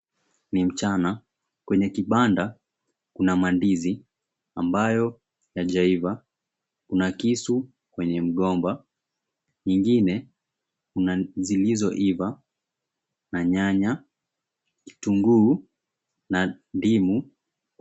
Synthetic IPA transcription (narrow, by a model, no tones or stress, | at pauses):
nim̩t͡ʃana | kwɛɲɛkiɓanda | kunamandizi | ambajɔ | jaʄaiva | kunakisu | kwɛɲɛm̩ɠɔmba | ɲiŋɡinɛ | kunazilizɔʔiva | naɲaɲa | ki̥tuŋɡuː | na | ndimu